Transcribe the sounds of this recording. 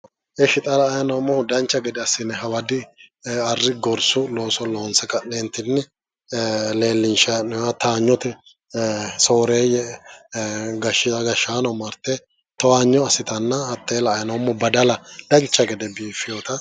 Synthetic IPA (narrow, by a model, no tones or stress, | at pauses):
ʔɛʃɪt̪ʼɐlɐːjɐnɐwmːɔhʊd̪ɐnt͡ʃːɐɡɛd̪ɛɐsɪnɛɦɐwɐd̪ɪɐrːɪɡɔɾsʊloːsɔloːnsɐkɐneːnt̪ɪnːɛ | le̞ːlːɪnʃanɔwat̪aːɲːɔt̪ɛ | soːɾeːjɛ | ɡɐʃɡɐʃːaːnɔmɐɾt̪ːɛ | t̪ɔwaːɲːɔɐsɪt̪ɐnːɐhɐt̪ːeːlɐːjɐnɐwmːɔbɐd̪ɐlɐd̪̥ɐnt͡ʃːɐɡɛd̪ɛbiːfɪjot̪ɐ